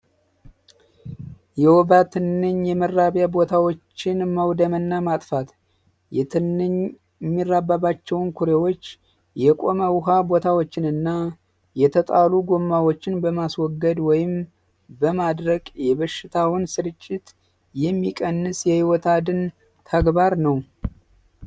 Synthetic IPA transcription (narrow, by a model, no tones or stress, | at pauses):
jɛwɔbat̪ʰɨnːɨɲjɛmərːaβjabo̞t̪ʰawo̞t͡ʃːɪnmawd̪əmənːamat̪ʼfat̪ | jɛt̪ʰɨnːɨɲ | mːirːabaβat͡ʃːɛwnkʰuɾewot͡ʃː | jɛkʼo̞məwɦabo̞t̪ʰawot͡ʃːɪnɨnːa | jɛt̪ʰət̪ʼaluɡo̞mːawot͡ʃːɪnbəmaswɔɡːəd̪wɔjɪm | bəmad̪ɾəkʼjɛβəʃːɪt̪ʰawʊnsɨɾɨt͡ʃʼːɪt̪ | jɛmːikʼənːɨsjɛhiwɔt̪ʰad̪ɨn | t̪ʰəɡbaɾnəw